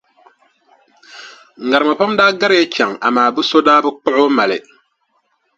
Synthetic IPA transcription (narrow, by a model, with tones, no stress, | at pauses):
ŋ̩˨ɡa˨ɾma˨pa˦mdaː˦ɡa˦ɾe˦t͡ʃa˨ŋa̰˨maː˨bɨ˦so˦daː˦bɨ˦k͡pɔ˦ʔo˦ma˨lɛ̰˨